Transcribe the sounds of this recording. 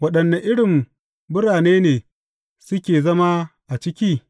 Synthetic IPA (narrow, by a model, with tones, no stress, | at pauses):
wɐ˦ɗɐ˨nːa˨ʔɪ˦ɽɪ˨m | bʊ˦ɽaː˨neː˦neː˨ | sʊ˦kʲeː˨zɐ˦ma˦ʔa˨t͡ʃɪ˦kʲiː˦